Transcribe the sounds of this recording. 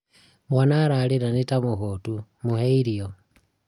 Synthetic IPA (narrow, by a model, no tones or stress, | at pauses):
mwanaɾaliɾanitamuxotumuheiɾio